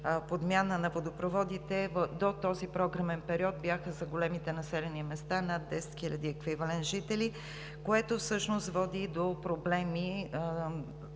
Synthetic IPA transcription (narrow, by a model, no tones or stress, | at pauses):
pod̪mʲjanənɐvod̪opɾovɔd̪it̪ɛvd̪ot̪ɔzipɾɔɡɾɐmɛnpɛɾiɔt̪̚bʲjaxəzɐɡolɛmit̪ɛnɐsɛlɛnimɛst̪anad̪ːɛsɛ̥t̪xilʲəd̪iɛkvivɐlɛnʒit̪ɛli | koɛt̪ofsɤʃnost̪vɔd̪id̪opɾoblɛmi